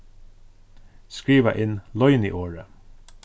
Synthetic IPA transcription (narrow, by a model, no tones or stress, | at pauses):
skɹiːʋa̰ʔɪnlɔʏnḭʔoːɹə